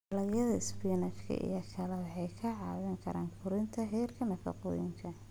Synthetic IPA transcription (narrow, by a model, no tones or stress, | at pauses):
ɐlɐjɐðɐɪspinɐt͡ʃkʰɐ̰ʔḭjɐkʰɐlɛwɑħɑjkʰɐʕɑːwɪŋkʰɐɾaːŋkʰʊɾɪnt̪ʰɐɦɛːrkʰɐnɐfɐ̰qɔ̰ːjɪŋkʰɐ